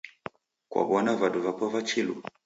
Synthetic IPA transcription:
kwa̰banavaduvapɔvat͡ʃilṵ

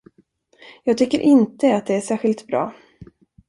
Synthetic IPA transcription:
jɑːɡ̚t̪ʰʏkːəɾʔɪnt̪əat̪̚d̪ɛæʂæːɾɧɪlt̪bɾɑ̰ː

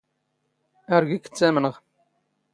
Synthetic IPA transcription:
æɾɡikːə̥t͡sːæmnəʁ

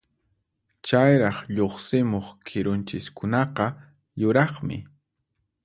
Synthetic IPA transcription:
t͡ʃajɾɑχʎoχsɪmoχkʰɪɾʊnt͡ʃɪskʊnɑqɑ | jʊɾɑχmɪ̰

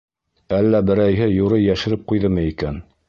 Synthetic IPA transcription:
ælːæbɘ̆ɾæjɦɘjuɾɤjæʃɘ̆ɾɘp̚qujðɤmɤikæn

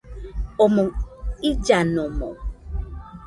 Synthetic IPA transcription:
omõŋid͡ʒanõmo̰

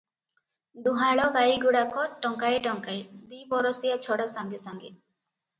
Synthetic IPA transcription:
d̪uɦaɭɔɡajɡuɽakɔʈɔŋkajʈɔŋkajd̪ibɔɾɔsijat͡ʃʰɔɽɔsaŋɡisaŋɡi

